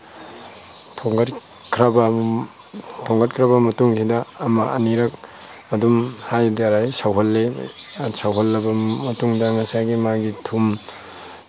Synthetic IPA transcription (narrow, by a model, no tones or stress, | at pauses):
tʰoŋɡɐt | kʰɾab | tʰɔŋɡɐt̚kʰɾabɐmɐtuŋsʰidɐːmɐɐ̰niɾɐk̚ | ɐdumhajdɾajsawɦɐlːe | sawɦɔlːɐbɐmɐtuŋdɐŋɐsajɡimaɡitʰum